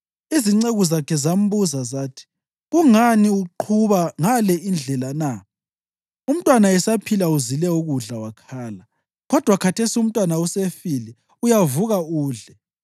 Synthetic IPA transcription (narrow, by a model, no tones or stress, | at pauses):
iziŋ͡ǀeɣuzakʰɛzam̩buzazaːtʰi̥ | ɣuŋaniuǃʰuβaŋalɛʔind͡ɮʱɛlana | um̩tʼwanaɛsapʰilauzilɛuɣuɮawakʰaːla | ɣɔd̥ʱwakʰatʰesium̩tʼwanausefili | ujavuɣauːɮɛ